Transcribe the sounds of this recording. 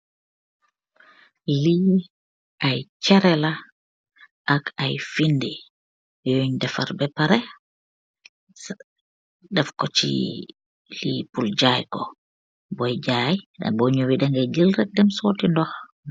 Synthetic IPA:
li | ʔajt͡ʃɛɾɛla | ʔakajfindi | jɔoɲdɛfa̰ɾbɛpaɾɛ | dɛfkɔt͡ʃḭ | lipuld͡ʒajkɔ | bɔjd͡ʒaːjda̰bɔɲowiɗɛŋɡad͡ʒəlɾɛk̚dɛmsɔːtindɔx

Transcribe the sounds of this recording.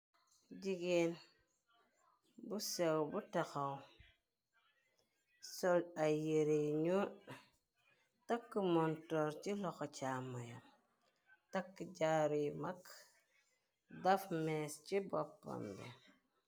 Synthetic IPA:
ɟiɡen | busewbutaxaw | sɔlajeɾeɲu | takːəmɔntɔɾcilɔxɔt͡ʃamːajam | takːɟaɾimak | dafmɛscibɔpːa̰mbɛ̰

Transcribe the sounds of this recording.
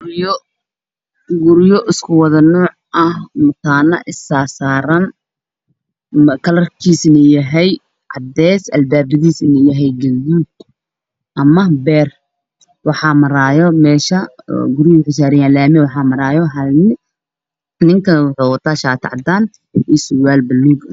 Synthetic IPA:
ɡjɔ | ɡʊɾjɔʔɪskʰʊwɑðɐnɔːʕʔɐhmʊt̪ʰaːnɐʔɪsaːrsaːɾɐn | kʰɐlɐrkʰiːsɪnɛjɐɦɛj | ʕɑ̰d̪ɛːsʔɐ̰lbaːbɪðiːsɪnɛjɐɦɛjɡɐlduːd̪ | ʔɐmɐbɛːr | wɑħɑːmɐɾaːjɔmɛːʃɐɡʊɾjɔwʊħɪsaːɾɪjaːlaːmɛwɑħɑːmɐɾaːjɔɦɐlnɪ | nɪŋkʰɐnwʊħuːwɑt̪ʰaːʃaːt̪ʰʕɑ̰d̪aːn | ɛswaːlbɐlːuːɡ

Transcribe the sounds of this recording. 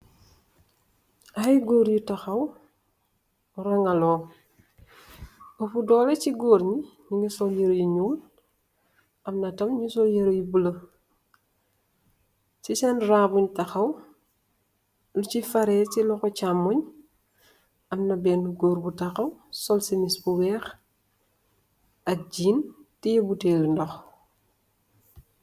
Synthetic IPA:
ɐjɡoːɾjitɐxɐw | rɐŋɐlɔː | əfudɔːlɐciɡoːɾɲi | ɲiŋisɔljəɾjiɲuːn | ɐmnɐtɐmɲusɔjəɾjibulɐ | sisɛnraːbuɲtɐxɐw | lucifɐɾɛːcilɔxɔcamːuɲ | ɐmnɐbɛnːuɡoːɾbutɐxɐwsɔlsimisbuwɛːx | ɐk̚ɟiːntijɐbuteːlindɔx

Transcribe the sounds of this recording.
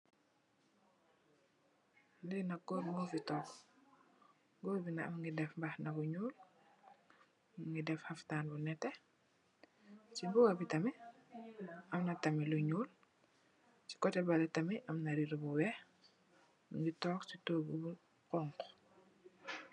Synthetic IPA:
ndɛnɐɡɔɾmɔfitɔːk | ɡɔːbinɐɐmŋɡidɛfmbɐxnɐbuɲuːl | mŋɡidɛfhɐftaːnbunɛtːɛ | t͡ʃibɔɡɐbitɐmɛ | ʔɐmnɐtɐmiluɲuːl | t͡ʃi̥kɔtɛbɐlɛtɐmɛʔɐmnɐɾiɾbuwɛ | muŋɡitɔːkcitoːbubu | qɔŋk

